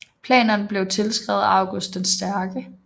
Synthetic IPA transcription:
pʰlɛ̰ːnɐnəb̥le̝ʊt͡sʰe̝lsɡ̥ʁɛ̰ːð̞̩ˠɑ̈ʊɡ̥osd̥ensd̥æɐɡ̥ə

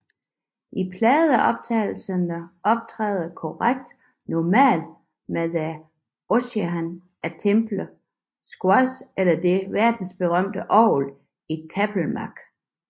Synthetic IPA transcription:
ʔipʰlɛːð̩ˠæʔɒ̽b̥̚t͡sʰɛ̰ɪl̩sənəʔɒ̽b̥̚t͡sʰʁɛ̰ːðˠkʰɒʁaɡ̥̚d̥ | nɒmɛ̰ːld̥ | medæ | oseɦæn | æt͡sʰemb̥lə | sɡ̥wɒselɐd̥e̝ʋæɐd̥n̩sb̥e̝ʁɶm̰d̥əʔɒ̰ːl | it͡sʰæb̥l̩mɑɡ̥

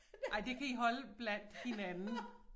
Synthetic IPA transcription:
ɑ̈ɪd̥e̝kʰæiɦɒ̽ləb̥læn̰d̥he̝nænn̩

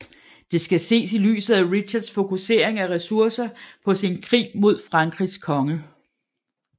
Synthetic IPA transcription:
d̥e̝sɡ̥æse̝̰ːsily̰ːsð̩ˠæʁid̥ɕɐd̥sfo̝kʰuse̝ːɐ̰e̝ŋæʁɛsuɐsɐpʰɒ̽sinkʰʁḭːmo̝ð̞̰ˠfʁɑ̈ŋɡ̥ʁiskʰɒ̽ŋə

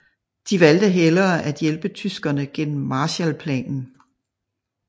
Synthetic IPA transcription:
d̥iʋæld̥əɦelɐːʔæd̥jelb̥ət͡sʰysɡ̥ɐnəɡ̥en̰m̩ːɑ̈ːɕælpʰlɛ̰ːnn̩

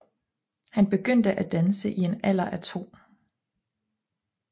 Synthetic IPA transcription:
hænb̥e̝ɡ̥øn̰d̥əʔæd̥ænsəʔie̝næl̰ɐʔæt͡sʰo̝̰ːm

